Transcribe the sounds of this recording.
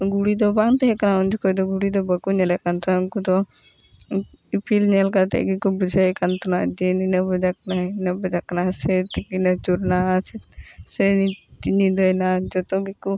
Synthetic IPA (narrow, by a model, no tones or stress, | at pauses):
ɡuɽid̪ɔbaŋt̪ɛɦɛkanaɔnd͡ʒɔkɔjd̪ɔɡuɽid̪ɔbəkuɲɛlɛʔkant̪ɔnkud̪ɔ | ipʰilɲɛlkat̪ɛ̰ʔɡikubəd͡ʒəjkant̪ɔnaʔd͡ʒɛninabɔd͡ʒakananabəd͡ʒakanasɛt̪ɛk̚inat͡ʃuɾnat͡ʃʰɛsɛnit̪iɲid̪əjnad͡ʒɔt̪ɔɡiku